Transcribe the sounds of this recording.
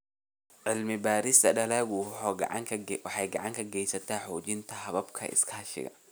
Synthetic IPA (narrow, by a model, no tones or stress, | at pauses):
ʕɪlmɪbaːɾɪst̪ɐɖɐlaːɣʊʕɑŋʰwɑħɑjɡɐɑʕɑŋkʰɐɡɛjsɐt̪ʰaːħɔːt͡ʃɪnt̪ʰɐɦɐβɐbkʰɐ̰ʔɪ̰skʰɐɦɐʃɪ̰ɣɐ̰